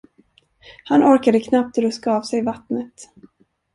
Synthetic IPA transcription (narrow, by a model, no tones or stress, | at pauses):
hanʔɔɾkad̪əkʰnap̚t̪ɾɵskaːvsɛjvat̪nət̪